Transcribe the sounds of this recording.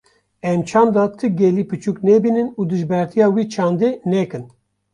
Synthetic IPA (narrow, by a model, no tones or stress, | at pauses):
ɛmt͡ʃʰɑːmd̪ɑt̪ʰɨɡɛliːpɨt͡ʃuknɛbiːnɨnuːd̪ɨʒbɛɾt̪ʰijɑːwiːt͡ʃʰɑːnd̪enɛkɨn